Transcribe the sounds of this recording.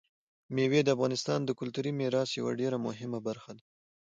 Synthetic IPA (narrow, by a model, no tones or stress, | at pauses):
mewed̪əafɣɑnɪst̪ɑnd̪əkʊlt̪uɾimeɾɑsjawa̰ɖeɾamʊɦɪmabaɾxad̪a